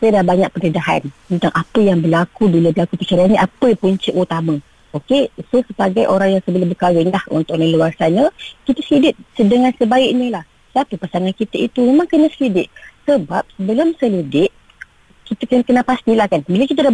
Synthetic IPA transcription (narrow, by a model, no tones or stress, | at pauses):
sajdabaɲak̚pərnədaɦa̰nt̪ənt̪aŋʔapəjaŋbərlakubilabəlakupət͡ʃaɾianɲəʔapəpuɲt͡ʃiʔut̪amə | okesosəbaɡajʔoɾaŋjaŋsəbəlʊmbəkawɪnlahṵnt̪ʊk̚nəluarsaɲəkit̪asəlidɪt̪̚sədəŋansəbaɪʔɲəlah | sapəpasaŋankit̪ait̪umemãŋkənasəlidɪʔ̪̚səbap̚səbəlʊmsəlidɪʔ̚ | kit̪akənkənapast̪ilahkanbilakit̪̬ada